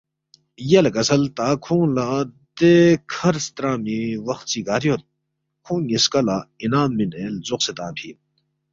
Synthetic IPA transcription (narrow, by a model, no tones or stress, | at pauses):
jelɡɐsʰɐlt̪aːkʰũːla | d̪ekʰɐɾst̪ɾãːmiwɐxt̪siɡaːɾjot̪̚ | kʰũːŋiskɐlainaːmːinelzoqset̪aːpʰiː